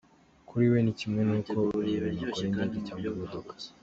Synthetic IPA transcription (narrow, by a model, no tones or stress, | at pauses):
kʰuɾiwe̞nicimŋe̞nuːkʰo̞iβiɲakoɾendaɟecaːŋɡaβodokḁ